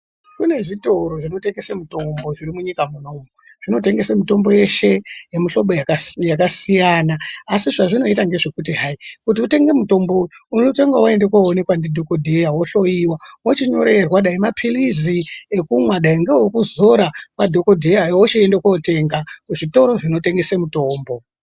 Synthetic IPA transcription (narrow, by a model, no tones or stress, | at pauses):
kune̞ʐito̞ɾo̞ʐino̞teŋɡesemuto̞mbo̞ʐirimuɲikamuno̞mu | ʐ̥ino̞t̬e̞ŋɡe̞semito̞mbo̞je̞ʃe̞jemiɬo̞ɓojakjakasijaːnaːsiʐaʐino̞itaŋɡe̞ʐekutiɦaikut̬iute̞ŋɡe̞muto̞mbounoteŋɡawae̞ndekwoone̞kwandidʱoko̞dʱejawoɬo̞iwawot͡ʃiɲo̞ɾe̞rwaɗaimapʰiliziekumwaɗaiŋɡewokuzo̞ɾakwadʱo̞ko̞dʱejajwoʃeendekwote̞ŋɡakuʐito̞ɾo̞ʐino̞te̞ŋɡe̞semuto̞ːmbo̞